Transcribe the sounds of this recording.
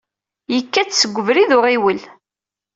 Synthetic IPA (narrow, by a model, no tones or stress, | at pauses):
jəkːæt͡sːsəɡʷːəvɾiðʊʁiwəl